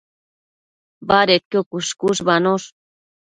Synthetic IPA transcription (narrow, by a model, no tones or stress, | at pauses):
baɾet̪̚kokuʃkuʃbanoʃ